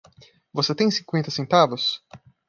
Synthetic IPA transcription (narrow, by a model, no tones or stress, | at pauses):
voset̪ẽj̃sĩŋkwẽnt̪ɐsẽnt̪avʊs